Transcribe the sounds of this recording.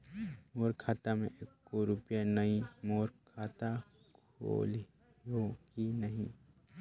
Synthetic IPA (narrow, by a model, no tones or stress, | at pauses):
moːɾkʰaːt̪amḛ̃ʔekːoɾʊpjanəĩmoːɾkʰaːt̪a | kʰoo̰ːl | okinəɦḭ̃